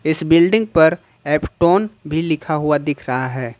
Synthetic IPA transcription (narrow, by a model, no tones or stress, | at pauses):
ɪsbɪlɖɪ̃ŋɡ̚pɐɾ | ɛːpʈoːnbʱilɪkʰaɦuad̪ɪkʰɾɐɦaɦɛː